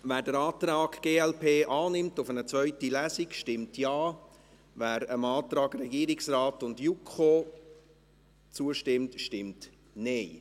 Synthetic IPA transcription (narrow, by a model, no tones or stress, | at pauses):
væːɾdəɾɑːt̪ɾɑːɡɡ̥eːɛlpʰeːʔɑːnɪmtʊfənət͡sʋœʏtilæːsikʃtɪmtʰjɑː | væːɾəmɑːt̪ɾɑːɡrɛɡiːəɾiksrɑːtʊndjukʰχoː | t͡suəʃtɪmtʃtɪmt | neɪ